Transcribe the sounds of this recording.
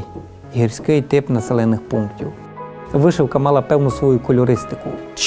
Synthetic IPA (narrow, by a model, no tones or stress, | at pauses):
ɦiɾʲsʲkɪjt̪ɪpnɐselˠɛnːɪxpuŋktʲiw | ʋɪʃɪwkɐmɑlˠɐpɛwnʊsʋɔjukɔlʲɔɾɪst̪ɪ̥kʊt͡ʃ